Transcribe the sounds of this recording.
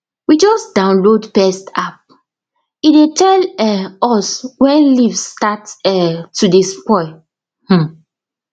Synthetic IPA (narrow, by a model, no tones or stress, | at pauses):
wid͡ʒɔsd̥ãʊ̃nlodpɛstap̚ | idetʰɛlɛɔswɛ̃nlivstatɛtːudespɔɪ | h̩